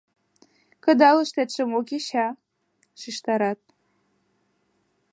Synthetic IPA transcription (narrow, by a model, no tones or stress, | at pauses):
kə̆d̪ɑlɤ̆ʃt̪et̪ʃə̆mokʲeɕɑ | ʃiʃt̪ɑɾɑt̪̚